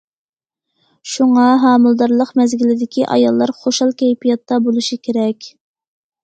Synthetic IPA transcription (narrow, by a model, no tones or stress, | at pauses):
ʃuŋɑɦɑːmɨlˠd̪ɑɾlˠəqmɛzɡʲilɪd̪ɪkʲʰiʔɑ̰jɑlˠːɑɾχoʃɑlˠkʲʰɛjpijɑt̪ːɑbolˠuʃikʲʰeɾɛkʲ